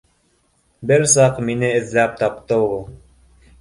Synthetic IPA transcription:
bɘɾsɑqminɘɘ̆ðlæp̚t̪ɑp̚t̪ɤulˠ

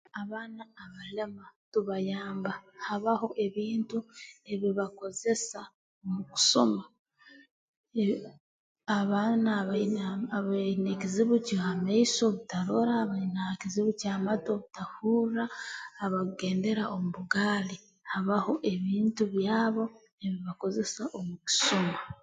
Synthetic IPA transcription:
aβaːnaːβalamatuβajaːmbahaβaho̞ʔe̞βiːntue̞βiβako̞ze̞sa | omuku̥so̞ma | aβaːnaβaβanekiziβucoamaiso̞βutaɾo̞ɾaːβainakiziβucaːmato̞βutahuːɾaːβaɡe̞ːnde̞ɾaʔomuβuɡaːli | haβaho̞ʔe̞βiːntuβjaːβo̞ | e̞βiβako̞ze̞saʔomuci̥soma

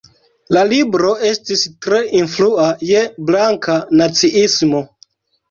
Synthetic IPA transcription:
lalibɾo̞ʔe̞stistɾe̞ʔinfluaje̞blaŋkanat͡siʔismo̞

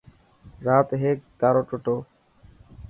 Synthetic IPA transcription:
ɾat̪ɦekkaɾoʈoʈo

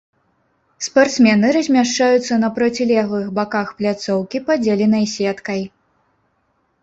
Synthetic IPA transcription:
spart̪smʲɛnɨɾɐzʲmʲaʂt͡ʂajut̪sːɐnɐpɾɐt͡sʲilʲɛɣlˠɨxbakaxplʲat̪sɔwkʲipɐd͡zʲelʲinɐjsʲɛt̪kɐj

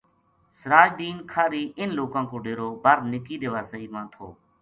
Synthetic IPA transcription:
səɾaːd͡ʒd̪iːnkʰaːɾiːʔɪnloːkãːkoːɖeːɾoːbʱəɾnɪkiːd̪eːʋaːsəiːmãːt̪ʰo̰ː

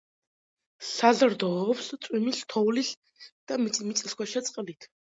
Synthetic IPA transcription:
sazɾd̪ɔpst̪sʼwimist̪ʰɔwlis | d̪̥amit̪sʼimit̪sʼiskwaʃɛt̪sʼqʼlit̪ʰ

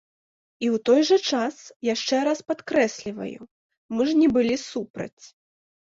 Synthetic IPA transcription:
iwt̪ɔjʐɐt͡ʂasjaʂt͡ʂɛɾaspat̪kɾɛsʲlʲivɐ̰jṵ | mɨʐnʲɛbɨlʲisupɾɐ̰t͡sʲ

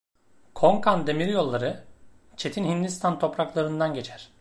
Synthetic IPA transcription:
kʰo̞ŋkʰand̪e̞miɾjo̞lˠːaɾɯ | t͡ʃʰe̞t̪ʰinɦind̪ist̪ʰant̪ʰo̞pɾaklˠaɾɯnd̪anɟe̞t͡ʃʰæɾ̥

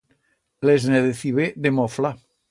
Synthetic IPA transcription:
lezneðeθiβed̪emɔfla

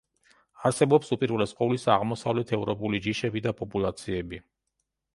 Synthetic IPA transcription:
aɾsɛbɔpsupʼiɾulɛsqʼɔlisaʁmɔsavlɛt̪ʰɛvɾɔpʼulid͡ʒiʃɛbid̪apʼɔpʼulˠat̪sʰiɛbi

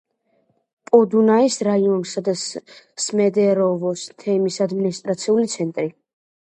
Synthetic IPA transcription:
pʼɔd̪unaisɾaiɔnsad̪as | smɛd̪ɛɾɔvɔst̪ʰɛmisad̪minist̪ʼɾat̪sʰiulit̪sʰɛnt̪ʼɾi

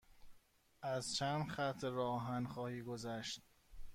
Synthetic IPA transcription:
ʔæzt͡ʃʰænd̪xæt̪ʰːeɾɒːɦænxɒːhiːɡozæʃt̪̚

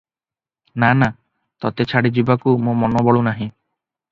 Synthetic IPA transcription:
nana | t̪ɔt̪et͡ʃʰaɽid͡ʒibakumõmɔnɔbɔɭunaɦĩ

